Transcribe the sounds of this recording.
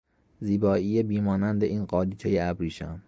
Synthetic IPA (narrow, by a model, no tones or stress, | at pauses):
ziːbɒːʔijebiːmɒːnænd̪e̞ʔiːnɢɒːliːt̪ʰejeæbɾiːʃæm